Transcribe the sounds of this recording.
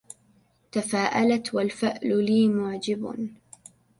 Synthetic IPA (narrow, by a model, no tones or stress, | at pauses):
t̪afaːʔalat̪walfɪʔlʊliːmʊʕd͡ʒɪb